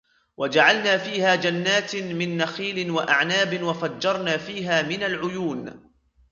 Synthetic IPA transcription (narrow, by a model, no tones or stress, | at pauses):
wʔad͡ʒaʕalnaːfiːhaːd͡ʒanːaːt̪mɪnːaxiːlɪnwaʔaʕnaːbɪnwafad͡ʒːɑɾˤnaːfiːɦaːmɪnalʕʊjuːn